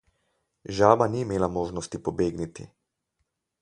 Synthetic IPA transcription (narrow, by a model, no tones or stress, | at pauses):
ʒaːbaniːmeːlamoːʒnɔst̪ipɔbeːɡnit̪ḭ